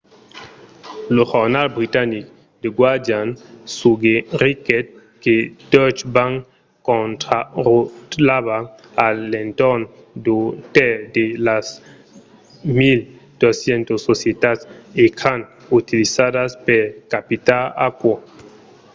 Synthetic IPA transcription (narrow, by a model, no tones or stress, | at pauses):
lohoɾnalbɾit̪anik | d̪eɡwaɾd̪jansuɡeriket̪̚ | ked̪ɔt͡ʃbaŋ | kont̪ɾarut̪laβa | alent̪on | d̪ut̪ed̪elas | mil | d̪̥osjent̪osːosjet̪asekʰan | ut̪ilisaðaspeɾkapit̪ala̰kwa